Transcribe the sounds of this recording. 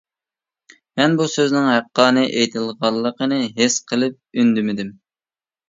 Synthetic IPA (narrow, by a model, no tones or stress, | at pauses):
mɛnbusøznɪŋɦæqːɑːnɨʔejt̪ʰɨlˠʁɑlˠːəqənɨɦesqʰəlˠɨp̚ynd̪ymɪd̪ɪm